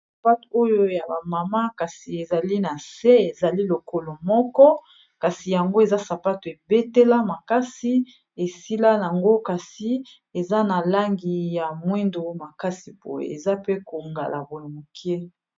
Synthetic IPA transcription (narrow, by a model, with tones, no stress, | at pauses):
sa˨pa˦to˦jo˦ja˨ba˨ma˨ma˦ka˨si˨e˨za˨li˦na˨se˦e˨za˨li˦lo˨ko˨lo˨mɔ˦kɔ˦ | ka˨si˨ja˨ŋɡo˦e˨za˦sa˨pa˦to˨e˨be˦te˦la˦ma˨ka˦si˦ | e˨si˦la˦ja˨ŋɡo˦ka˨si˨ | e˨za˦na˨la˦ŋɡi˨ja˨mwɛ˦ndo˨ma˨ka˦si˨po̰˦jḛ˨ḛ˨za˦pe˦ko˨ŋɡa˨lʔa̰˨bo˨no˨mo˨ki˦e˦